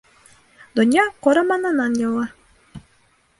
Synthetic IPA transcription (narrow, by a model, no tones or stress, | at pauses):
d̪ŏnʲjɑqoɾɑmɑnɑnɑnjɑlˠɑ